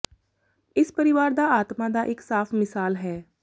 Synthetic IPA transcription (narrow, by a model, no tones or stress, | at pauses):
ɪspəɾɪʋaːɾd̪aːaːt̪mãːd̪aːʔɪksaːpʰmɪsaːlɦɛː